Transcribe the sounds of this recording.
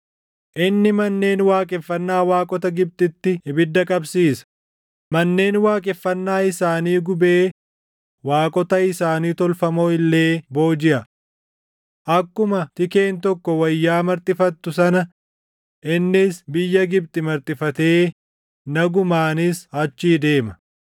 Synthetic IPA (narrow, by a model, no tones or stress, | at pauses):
ʔɪnːɪmɐnːe̞ːnwaːkʼɛfːɐnːaːwaːkʼɔt̪ɐɡɪb̚t̪ʼɪt̪ːɪɪbɪd̪ːɐkʼɐbsiːsɐ̥ | mɐnːe̞ːnwaːkʼɛfːɐnːaːɪsaːniːɡʊbeː | waːkʼɔt̪ɐɪsaːniːt̪ɔlfɐmoːɪlːe̞ːbo̞ːd͡ʒɪʔɐ | ʔɐkːʊmɐt̪ɪke̞ːnt̪ɔkːɔwɐjːaːmɐɾt̪ʼɪfɐt̪ːʊsɐnɐ | ʔɪnːɪsbɪjːɐɡɪb̚t̪ʼɪmɐɾt̪ʼɪfɐt̪e̞ː | nɐɡʊmaːnɪshɐt͡ʃːiːd̪e̞ːmɐ